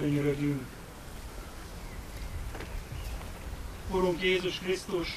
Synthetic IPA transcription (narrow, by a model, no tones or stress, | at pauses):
eɲɾɛd̪yŋk | oɾuŋkjeːzuʃkrist̪uʃ